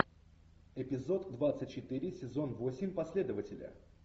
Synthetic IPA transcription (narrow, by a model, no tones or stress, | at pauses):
ɪpʲɪzo̞t̪ːvat̪sɨtʲt͡ɕːɪt̪ɨɾʲɪsʲɪzo̞nvo̞sʲɪmʲpɐsʲlʲe̞d̪əvətʲɪlʲə̰